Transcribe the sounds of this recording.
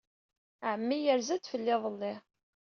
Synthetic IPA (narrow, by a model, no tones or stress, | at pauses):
ʕəmːijəɾzæd̪fəlːɪðˤəlːɪ